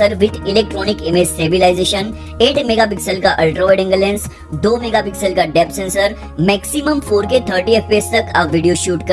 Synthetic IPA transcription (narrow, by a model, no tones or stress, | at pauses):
əɾʋɪʈɪleːk̚ʈɾɔːnɪkemeːsʈeːbilaːɪzeːʃən | eːʈʰmeːɡap̬ɪksəlkaʔɐlʈɾɔːɪɖɪ̃ŋɡəlẽːns | d̪oːmeːɡapɪksəlkaɖɛːpsẽːnsəɾ | mɛːksiməmfʰoːɾket̪ʰəɾʈieːfpeːst̪ɐkaːʋiɖijoʃuːʈkɐ